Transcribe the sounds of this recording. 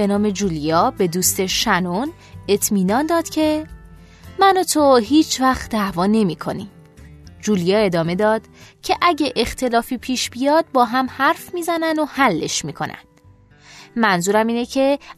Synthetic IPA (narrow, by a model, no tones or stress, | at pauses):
be̞nɒːme̞d͡ʒuːlijɒːbe̞d̪uːst̪e̞ʃænon | e̞t̪ʰmiːnɒːnd̪ɒːd̪̥cʰe̞ | mænot̪ʰoɦiːt͡ʃʰvæxt̪d̪ævɒːne̞miːkʰo̞̰nḭm | d͡ʒuːlijɒːe̞d̪ɒːme̞d̪ɒːd̪̥cʰe̞ʔæɟeʔext̪ʰe̞lɒːfiːpʰiːʃb̥ijɒːd̪̥̚bɒːɦæmhæɾfmiːzænænohælːe̞ʃmiːkʰo̞̰nʔæ̰nd̪̥ | mænzuːɾæmiːnecʰe̞